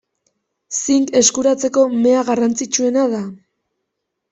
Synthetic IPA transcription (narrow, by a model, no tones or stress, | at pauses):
siŋke̞skuɾat͡se̞ko̞me̞aɣarant͡sit͡ʃue̞naða